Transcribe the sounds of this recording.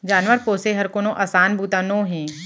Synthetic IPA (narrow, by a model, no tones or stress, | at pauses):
d͡ʒaːnʋəɾpoːseɦɐɾkonõʔaːsaːnbʱuːt̪anõːɦẽː